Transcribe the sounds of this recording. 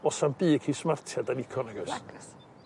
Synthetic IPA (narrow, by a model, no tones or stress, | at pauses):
ɔsanbiːkʰismartʰjadanikʰɔnaɡas